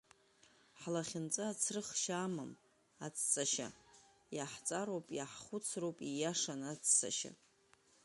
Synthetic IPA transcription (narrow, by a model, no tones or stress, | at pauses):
ħlaχʲɪnt͡sʼaat͡sʰrɨχʃamam | at͡sʰʼt͡sʼaʃa̰ | jaħt͡sʼaɾowpʼjaħχʷʊt͡sʰrowpʼijaʂanat͡sʰʼt͡sʰa̰ʃa̰